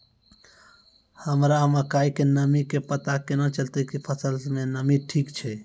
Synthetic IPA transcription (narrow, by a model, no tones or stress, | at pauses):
həmɾaməkaikenəmikepət̪akenɔ̃t͡ʃəlt̪əkipʰəsəlsmenəmiʈʰikt͡ʃʰɛ